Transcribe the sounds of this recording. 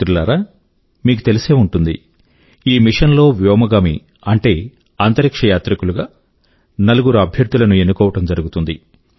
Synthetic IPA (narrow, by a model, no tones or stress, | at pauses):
ɾulaːɾaː | miːkut̪e̞lise̞ːuɳʈund̪ḭ | iːmiʂɐnlo̞ːʋjɔːmɐɡaːmḭ | ɐɳʈe̞ː | ɐnt̪ɐɾikʂɐjaːt̪ɾɐkuluɡaː | nɐluɡuɾuɐbʱjɐɾd̪ulɐnue̞nːukɔːʋɐʈɐmd͡ʒɐɾuɡut̪und̪i